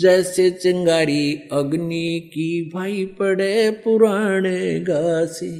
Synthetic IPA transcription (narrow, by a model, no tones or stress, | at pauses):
d͡zɛːset͡səŋɡaɾiəɡnikibʱaipəɽepuɾaɳ̃eɡase